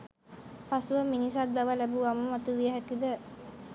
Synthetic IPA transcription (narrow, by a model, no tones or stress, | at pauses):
pasuʋəminisat̪̚bæʋəlæbuʋaməmat̪uʋijəɦækid̪ə